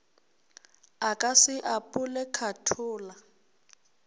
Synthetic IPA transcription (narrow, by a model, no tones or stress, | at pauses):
akʼasɪʔapʼʊlɛkʰatʰʊːla